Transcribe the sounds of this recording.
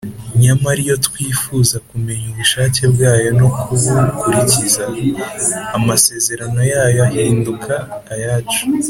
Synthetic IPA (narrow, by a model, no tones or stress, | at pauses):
ɲamaɾijo̞twiːfuːzakume̞ɲuβuʃaːce̞bɡaːjo̞no̞kuβukuɾicizaː | mase̞ːze̞ɾano̞jaːjoahiːndukʰaːjaːt͡ʃu̥